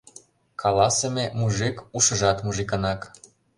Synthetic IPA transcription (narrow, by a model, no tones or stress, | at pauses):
kʰɑlɑsememuʒikuʃɤ̆ʒɑt̪muʒikənɑk